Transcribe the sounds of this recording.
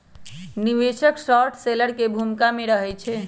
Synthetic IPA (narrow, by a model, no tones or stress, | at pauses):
niʋeʃəksɔɾʈseləɾkebʱumkameɾəɦɛt͡ʃʰɛ